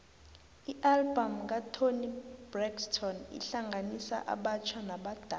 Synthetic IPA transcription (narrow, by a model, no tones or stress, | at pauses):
iʔalbamk̬atʰonib̥rɛkstʰɔnḭɬaŋʱanisa̰ʔa̰ɓat͡ʃʰwanaɓad̥ʱa